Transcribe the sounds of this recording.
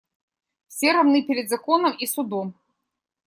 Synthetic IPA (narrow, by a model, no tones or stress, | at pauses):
fsʲɛɾamnɨpʲɛɾʲɛd̪zakɔnɐmisud̪ɔm